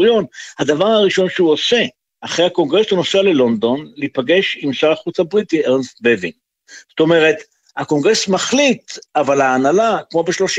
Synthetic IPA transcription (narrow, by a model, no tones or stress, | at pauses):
jo̞nhad̪avaʁhaʁiʃo̞nʃeuose̞ | aχʁejhako̞ŋɡʁe̞sunoseale̞lo̞nd̪o̞nlipaɡe̞ʃimsaʁaχut͡sabʁit̪ieʁnst̪̚bevḭŋ | zo̥t̪o̞meʁe̞t̪ | hako̞ŋɡʁesmaχlit̪avalhaːnalakmo̞beʃlo̞ʃ